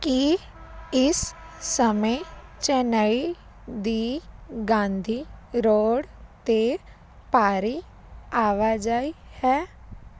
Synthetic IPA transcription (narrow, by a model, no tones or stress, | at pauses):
ki | ɪsː | əmət͡ʃɛːnəi | d̪iːɡãːnd̪ʱiːɾoːɽt̪e | paːɾi | aːʋad͡ʒaːihɛː